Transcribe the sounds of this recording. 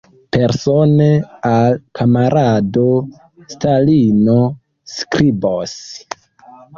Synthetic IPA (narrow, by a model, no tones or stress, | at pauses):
pe̞ɾsonealkʰamaɾʔado̞ | stalino | skɾibos